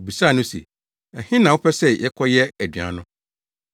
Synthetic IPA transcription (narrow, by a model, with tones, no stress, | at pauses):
bi˨sa˦˨nʊ̃˦sḛ˨ | ɛ˨hɪ̃˦nã˨wʊ˦pʰɛ˦sɛ˦jɛ˦kʰɔ˦jɛ˦æ˨dɥã̰˨˦nʊ̃˦